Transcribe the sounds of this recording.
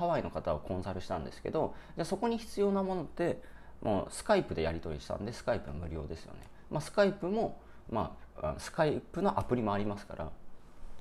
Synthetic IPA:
aβaino̞kat̪aokʰõ̞ɰ̃saɾɯ̟ɕi̥t̪ãnd̪e̞sɨ̥ke̞̰d̪o̞d͡ʑaso̞ko̞ɲ̟içi̥t͡sɨjo̞ːnamo̞no̞t̪ːe̞ | mʔo̰ːsɨ̥kaipɯ̟d̪e̞jaɾʲit̪o̞ɾʲḭɕi̥t̪ã̰nd̪esɨ̥kaipɯmɯ̟ɾʲo̞̰ːd̪e̞sɨ̥jo̞̰ne̞̰ | mʔasɨ̥kaipɯ̟mo̞ | ma̰a̰nsɨ̥kaipːɯ̟no̞ʔapɯ̟ɾʲimo̞aɾʲimasɨ̥ka̰ɾʔa̰

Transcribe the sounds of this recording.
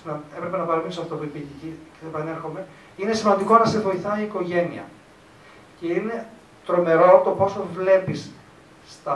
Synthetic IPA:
nɐe̞pɾe̞pe̞nɐpɐɾɐminisoɐft̪opuipiʝeciceθepɐne̞ɾxo̞me̞ | ine̞simɐnd̪iko̞nɐsevo̞iθɐiːko̞ʝe̞niɐ̰ | ce̞ine̞ | t̪ɾo̞me̞ɾo̞t̪o̞po̞sovle̞pisː | t̪ɐ

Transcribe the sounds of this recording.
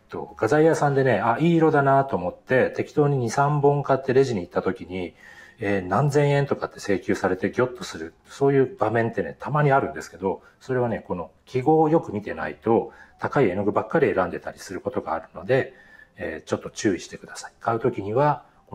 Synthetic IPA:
t̪ːo̞̰ɡ̥azaijasãnd̪e̞ne̞aiːɾo̞d̪anat̪o̞ːmo̞t̪ːe̞t̪e̞kʲi̥t̪o̞ːɲ̟iɲ̟isãmbõŋkat̪ːe̞ɾe̞ʑiɲ̟iːt̪ːat̪o̞kʲiɲ̟ieːnãnzẽɰ̃ẽ̞nt̪o̞kat̪ːe̞̥se̞ːkʲɨːsaɾe̞t̪e̞ɡʲo̞t̪ːo̞sɨɾɯ̟ | so̞ːjɯ̟ːb̥amẽ̞nt̪ːe̞ne̞̰t̪ʰamaɲ̟iaɾɯ̟̃nd̪e̞sɨ̥ke̞d̪o̞ | so̞ɾe̞βane̞ko̞no̞kʲiɡo̞ːjo̞kɯ̟mʲit̪e̞̰na̰it̪o̞t̪akaie̞noɡɯ̟bakːaɾʲie̞ɾãnd̪e̞t̪aɾʲi̥sɨɾɯ̟ko̞t̪o̞ɡa̰ːɾɯ̟no̞d̪e̞ | eːt͡ɕo̞t̪ːo̞t͡ɕɨːiɕi̥t̪e̞kɯ̟d̪asḁi̥kʰaɯ̟t̪o̞kʲiɲ̟iβa | ko

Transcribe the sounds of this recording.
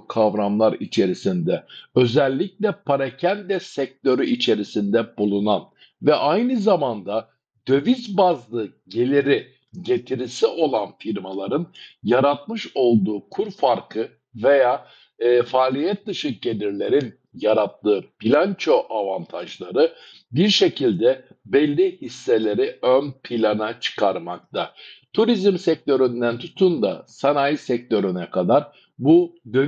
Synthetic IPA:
kʰavɾamlˠaɾit͡ʃʰe̞ɾisind̪ɛø̞zɛlʲːic̚lʲɛpʰaɾacʰænd̪ɛsɛc̚t̪ʰø̞ɾyʔit͡ʃʰe̞ɾisind̪ɛbulˠunan | vɛʔajnɯzamand̪a | d̪̥ø̞vizbazlˠɯ | ɟelʲeɾi | ɟe̞t̪ʰiɾisiʔo̞lˠanfiɾmalˠaɾɯnjaɾat̪̚mɯʃo̞lˠd̪uːkʰuɾfaɾkʰɯ | ve̞jaː | faːlʲijɛt̪̚d̪ɯʃɯk̚ɟe̞lʲiɾlʲe̞ɾin | jaɾat̪lˠɯːbilʲant͡ʃʰo̞ʔavant̪ʰaʒlˠaɾɯ | biɾʃe̞cʰilʲd̪ɛbɛlʲːihisːe̞lʲe̞ɾiønpʰilʲanat͡ʃʰɯ̥kʰaɾmak̚t̪ʰat̪ʰuɾizmsɛc̚t̪ʰø̞ɾynd̪ænt̪ʰut̪ʰund̪a̰sanajisɛc̚t̪ʰø̞ɾynɛkʰad̪aɾ | bud̪ø

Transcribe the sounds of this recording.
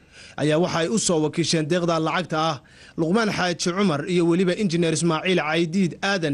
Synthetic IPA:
ʔɐ̰jaːwɑħɑɛjʊsɔːwɑkʰiːʃɛːnd̪ɛːqd̪ɐlɑʕɑɡ̚t̪ʰɐːh | lʊqmaːnħɑːt͡ʃɪʕʊmɐrijɔwɑlɪβɐʔɪnt͡ʃɪnɛːɾɪs̬maːʕiːlʕɑjd̪iːd̪aːðɐn

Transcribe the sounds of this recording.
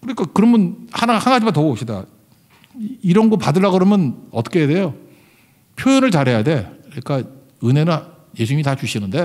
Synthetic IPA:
kɯɾʌɲik͈ʰakɯɾʌmʌnhanahanŋɡad͡ʑimantʌɡoɕ͈ʰida̰ | iɾʌnɡʌpadɯɭːaɡɯɾʌmjʌnʌt͈ʌkʰeede̞jo | pʰjojʌnɯɭt͡ɕaɾɦe̞jade̞kɯik͈a | ɯnɦe̞nɯn | je̞sʰuɲimitat͡ɕuɕʰinɯnde̞

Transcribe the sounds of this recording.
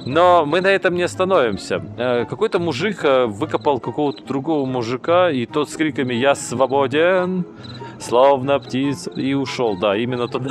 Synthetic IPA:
nomɨnɐɛt̪əmnʲɪɐst̪ɐnovʲɪmsʲəəkɐko̞jt̪əmʊʐɨkəvɨkəpəlˠkɐko̞vət̪əd̪ɾʊɡo̞vəmʊʐɨkait̪ot̪skɾʲikəmʲɪjasvɐbodʲɪn | slˠovnəptʲit̪səiʊʂolˠd̪aimʲɪnːət̪ot̪

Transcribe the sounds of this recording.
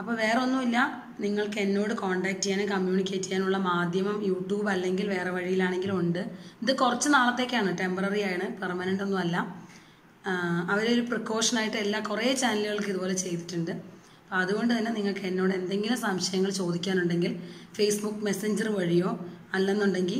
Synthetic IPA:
ɐpːoːʋe̞ːreo̞nːumilːɐ | niŋːɐɭkenːo̞ːɽɨkoːɳɖaːk̚tːijaːnɨkɐmjuːnikʲːe̞ːtːi̥kːaːnuɭːɐmaːd̪ʱjɐmɐmjuːʈjuːbɐlːe̞ŋɡilʋe̞ːre̞ʋɐɻijilaːɳe̞ŋɡilumuɳɖɨiðɨkurɐt͡ɕːɨnaːɭɐt̪ːe̞ːkːɨaːɳɨʈe̞mpɐrɐrijaːjɐɳɨpɐrmɐnɐɳɖo̞nːumɐlːɐ | ɐʋɐɾeoɾuprikːo̞ːʂɐnaːjiʈːɨelːakureːt͡ɕaːnɐlɣɐɭkɨiðubo̞ːle̞t͡ɕe̞jt̪i̥tːuɳɖɨ | pːɐðuɣo̞ɳɖɨt̪ɐnːe̞niŋːɐɭkɨenːo̞ːɽɨe̞nd̪e̞ŋɡilumsɐmɕɐjɐŋːɐɭt͡ɕo̞ːd̪ikʲːaːnuɳɖe̞ŋɡilfe̞ːsbukːme̞seɲd͡ʑɐrɨʋɐɻijo̞ːɐlːenːuɳɖe̞ŋɡil

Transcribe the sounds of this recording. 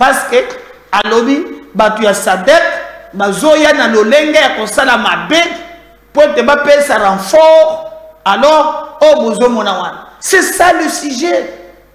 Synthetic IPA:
paske | alobibatojasadɛkbazojanaloleŋɡejakosalamabek | poetebapesaʁãɱfɔalɔʁojobozomɔnawanasesalisiʒe

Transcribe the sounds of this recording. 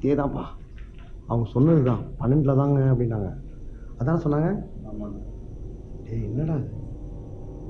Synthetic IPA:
t̪eːt̪ãːpaː | ɐʋɐŋɡɐsɔnːɯɾɯkːãːpɐnːɛɳʈlɐt̪ãːŋɡɐɐp̬ːɐɽɪnːaːŋɡɐ | ɐðaːnsɔnːaːŋɡɐ | eːɛnːɐɽaːðɯ

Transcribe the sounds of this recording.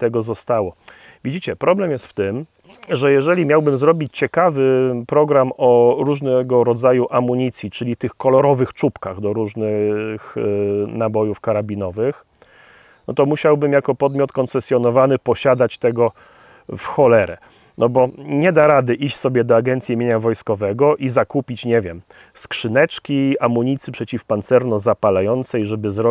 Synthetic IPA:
t̪ɛɡɔzɔst̪awɔ | vʲid͡ʑit͡ɕɛpɾɔblɛmjɛst̪ft̪ɘm | ʐɛjɛʐɛlʲimʲjawbɘmzɾɔbʲit͡ɕt͡ɕɛkavɘpɾɔɡɾamɔɾuʐnɛɡɔɾɔd̪zajuʔamuɲit̪sʲjit͡ʂɘlʲit̪ɘxkɔlɔɾɔvɘxt͡ʂupkaɣd̪ɔɾuʐnɘxnabɔjufkaɾabʲinɔvɘx | nɔt̪ɔmuɕawbɘmjakɔpɔd̪mʲjɔt̪kɔnsɛsʲjɔnɔvanɘpɔɕad̪at͡ɕt̪ɛɡɔ | fxɔlɛɾɛ̰ | nɔbɔɲɛd̪aɾad̪ɘʔiɕt͡ɕʲsɔbʲjɛd̪ɔaɡɛnt̪sʲjiimʲjeɲavɔjskɔvɛɡɔʔizakupʲit͡ɕɲɛvʲjɛm | skʂɘnɛt͡ʂkʲiamuɲit̪sɘpʂɛt͡ɕifpant̪sɛɾnɔzapalajɔnt̪sɛjʐɛbɘzɾɔ

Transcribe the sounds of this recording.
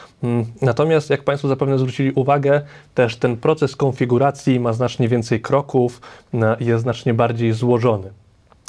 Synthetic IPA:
nat̪ɔmʲjast̪jak̚paɲjst̪fɔzapɛvnɛzvɾut͡ɕilʲiʔuvaɡɛt̪ɛʂt̪ɛnpɾɔt̪sɛskɔnfʲiɡuɾat̪sʲjimaznat͡ʂɲɛvʲɛnt̪sɛjkɾɔkufjɛsnat͡ʂɲɛbaɾd͡ʑejzwɔʐɔnɘ

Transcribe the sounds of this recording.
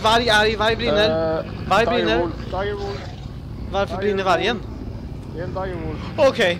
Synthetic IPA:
vaɾjaɾjvajbɾiːnəɾ | vaɾjbɾiːnəɾ | vaɾfəbɾiːnəvaɾjən | okʰej

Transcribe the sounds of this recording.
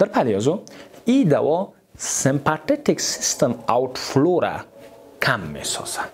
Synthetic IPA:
d̪̥aɾpaliazoid̪awo | sĩmpat̪et̪iksist̪emawtfloɾa̰ | kʰamːḛso̰sḁ

